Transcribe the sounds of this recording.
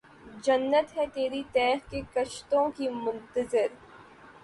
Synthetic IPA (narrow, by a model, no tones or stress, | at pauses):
d͡ʒɐnːət̪ɦɛt̪eːɾit̪ɛːxkekɐʃt̪õkimʊ̃nt̪əzɪɾ